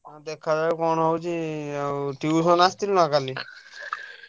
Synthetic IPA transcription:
ad̪ɛkʰːaɹakɔnɦɔwt͡ʃiauʈiwsɔnast̪ilnakali

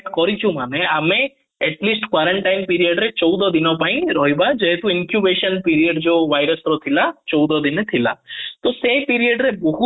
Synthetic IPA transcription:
ʈkɔɾit͡ʃʰũmaneamẽ | ɛʈlisʈkwaɾəɳʈajnpiɾijəɖɾet͡ʃɔwd̪ɔd̪inɔ̃paĩɾɔɦibad͡ʒeɦẽt̪ũinkjubeʃənpiɾijəɖd͡ʒoʋajɾəsɾɔt̪ʰilat͡ʃɔwd̪ɔd̪inet̪ʰila̰t̪ɔsẽpiɾijəɖɾebɔɦu

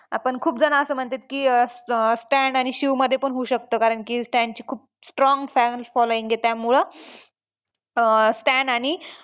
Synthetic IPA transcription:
a̰pəɳkʰuːp̚d͡zanaəsəːm̤əɳt̪iːt̪̚kiː | sʈæɳɖaɽ̃iɕuʋməd̪ʱːjepəɳɦouːɕək̚t̪əːkaɾəɳkiːsʈæɳt͡ɕiːkʰuːp̚sʈɾɔŋɡfænlfɔloiŋɡʱet̪jamuɭə | sʈæɳɖaɽ̃i

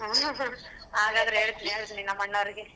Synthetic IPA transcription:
haːɡaːd̪ɐɾeːɭt̪inieːɭt̪ininɐmːɐɳːɐʋɐɾiɡe

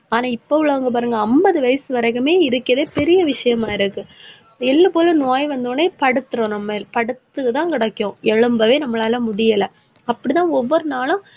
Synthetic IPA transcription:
aːnãːɪpːoːʊɭɐʋɐŋɡɐp̬aːɾɯŋɡɐːmbɐðɯʋɐjɐsɯʋɐɾɐɣɐmeːɪɾɯkːɾɐðeːpɛɾɪjɐʋɪʂɐjɐmaːɪɾɯkːɯ | ɛlːɐpoːlɐnoːjʋɐnd̪oːneːpɐɽɯt̪ːɯɾõːnɐmːɐpɐɽɯt̪ːɯɣt̪ãːkɪɽɐkːõːɛɻɯmbɐʋeːnɐmːɐlaːlɐmʊɽɪjɐlɐ̃ | ɐpːɐɽit̪ãːɔʋːɔɾɯnaːlʊ̃

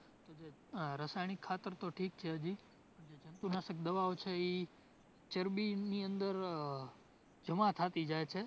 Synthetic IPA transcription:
t̪od͡ʒe | ɾəsajɳ̃ikʰːat̪əɾt̪oʈʰik̚t͡ʃʰeɦəd͡ʒi | pəɳd͡ʒed͡ʒənt̪unaʃək̚d̪əʋaot͡ʃʰei | t͡ʃəɾbiniənd̪əɾ | d͡ʒəmãt̪ʰat̪id͡ʒajt͡ʃʰe

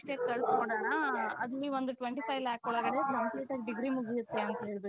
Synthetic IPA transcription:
ʈekɐɭɐskoːɽaːnaɐd̪uniːond̪uʈʋeɳʈipʰɐjʋaːkɔɭɐɡɐɽekɐmpliːʈɐːɡɖiɡɾimuɡijut̪ːeɐnt̪ɐɦeːɭib̪e

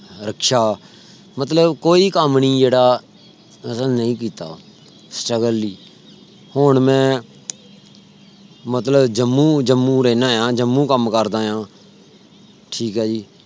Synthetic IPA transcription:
ɾəkʃaː | mət̪ləbkoːiːkəmnĩːd͡ʒeːɽaː | əsənəĩːk̬iːt̪a̰ː | sʈɾəɡəlːiː | hʊːɳmɛ̃ː | mət̪ləbd͡ʒəmːũːd͡ʒəmːũːɾeːnaːjãːd͡ʒəmːũːkəmkəɾd̪ãːjãː | ʈʰiːkɦɛːd͡ʒiː

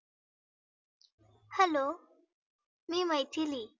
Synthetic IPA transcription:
həlo | miːməjt̪ʰili

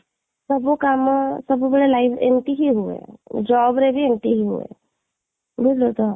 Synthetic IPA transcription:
səbukamsəbubəɽelaipʰḛnʈiɦiɦuḛd͡ʒɔːbɾebʱieɳʈiɦiɦṵḛ | bulot̪ɔ

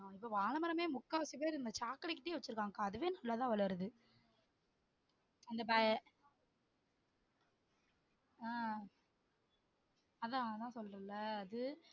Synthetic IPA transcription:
ɪpːoːʋaːɳɐmɐɾɐmeːmʊkːaːʋɐsjɐp̬eːɾnd̪ɐt͡ʃaːkːɐɽɛk̬ːɯt̪ːejːʋɐt͡ʃːɯɾɯkːaːŋɡaːðɯʋeːnɔlːat̪ãːʋɐlɐʋɐɾɐðɯ | ɐnd̪ɐbaːjɛ | aː | ɐðãːðãːsɔlrɐlːɐːðɯ

